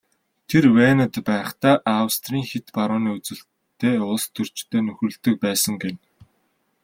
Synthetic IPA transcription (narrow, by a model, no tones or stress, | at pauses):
t̪ʰerweːnə̆t̪pæːχt̪æːʔawst̪riːŋxet̪paɾʊːniːut͡sɘ̆ɬ | t̪ʰeːʊɮst̪ʰɵr̥t͡ɕt̪ʰeːnɵxɵ̆ɮt̪ɵ̆k̚pæːsə̆ŋɡen